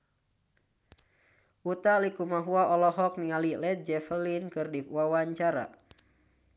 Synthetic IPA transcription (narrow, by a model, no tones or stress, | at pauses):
ʔut̪alikumaɦuaʔɔlɔɦɔk̚niŋalilɛt̪̚d͡ʒɛfəlinkɨrdiwawaɲt͡ʃaɾa̰